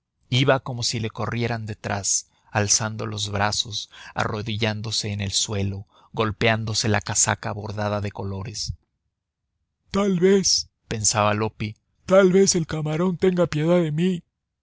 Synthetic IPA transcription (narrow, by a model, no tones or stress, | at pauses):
iβako̞mo̞sile̞ko̞rje̞ɾand̪e̞t̪ɾas | alsand̪o̞̰lo̞zβɾaso̞sa̰ro̞ðiʝand̪o̞se̞ːne̞lswe̞lo̞ | ɣo̞lpeand̪o̞se̞la̰kasa̰kaβo̞ɾðaðaðe̞ko̞lo̞ɾe̞s | t̪alβes | pe̞nsaβalo̞pi | t̪alβe̞se̞lkamaɾo̞nt̪e̞ŋɡapje̞ðaðemi